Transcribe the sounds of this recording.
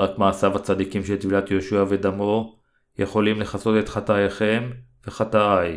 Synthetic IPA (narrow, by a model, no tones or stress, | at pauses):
ʁakmaːsavat͡sad̪ikimʃelt̪vilat̪jo̞ʃuave̞d̪amo | jeχo̞limleχaso̞tet̪χat̪ajaχe̞m | veχat̪aaj